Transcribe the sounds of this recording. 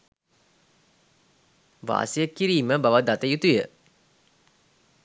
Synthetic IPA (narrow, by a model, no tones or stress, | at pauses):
ʋa̰ːsijəkːiɾiːməbaʋəd̪at̪əjut̪ujə